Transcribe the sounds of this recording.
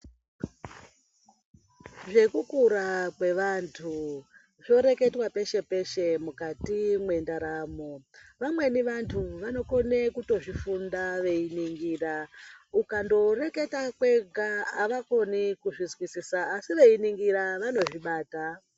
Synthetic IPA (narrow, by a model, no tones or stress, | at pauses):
ʐe̞kukuɾakwe̞ʋantʰu | ʐo̞ɾe̞ke̞twape̞ʃe̞pe̞ʃe̞mukatimwe̞ndaɾaːmoʋamwe̞niʋantʰuʋano̞ko̞nekuto̞ʐifundaʋe̞iniŋɡiːraukando̞re̞ke̞takwe̞ɡʱaːʋako̞nikuʐizwisisaːsiʋe̞iniŋɡiɾaʋano̞ʐiɓaːta